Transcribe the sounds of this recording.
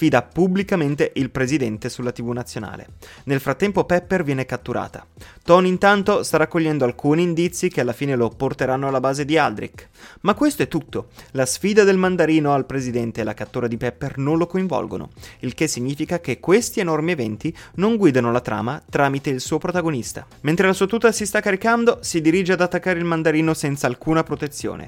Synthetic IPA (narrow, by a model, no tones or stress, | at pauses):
fiːd̪apublikament̪eʔilpɾezid̪ɛnt̪esulːat̪ibunat̪sːjona̰ːlḛ | nelfɾat̪ːɛmpopɛpːervjɛːnekat̪ːuɾʔa̰ːt̪a̰t̪ɔnint̪ant̪ost̪aɾakːoʎːɛnd̪oalkuːniːnd̪it̪sːikealːafiːneloport̪eɾanːoalːabaːzed̪iald̪ɾḭkmakːwest̪oɛt̪ːut̪ːolasfiːd̪ad̪elmand̪aɾiːnoalpɾezid̪ɛnt̪elakat̪ːoːɾad̪ipɛpːernonlokoĩɱvɔ̰lɡo̰no̰ilkesːiɲːiːfikak̟ekːwest̪ienɔrmievɛnt̪inoŋɡwiːd̪anolat̪ɾa̰ːmat̪ɾaːmit̪eilsuːopɾot̪aɡonist̪ament̪ɾelasuːat̪uːt̪ːasist̪akːaɾikand̪osid̪iɾid͡ʒead̪at̪ːakːaːɾeilmand̪aɾiːnosɛnt̪saːlkuːnapɾot̪et̪sjo̰ːnḛ